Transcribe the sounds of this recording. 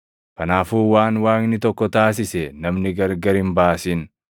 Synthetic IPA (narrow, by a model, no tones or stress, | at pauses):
kɐnaːfuːwaːnwaːknɪt̪ɔkːɔt̪aːs̬ɪsɛnɐmnɪɡɐɾɡɐɾɪmbaːsɪn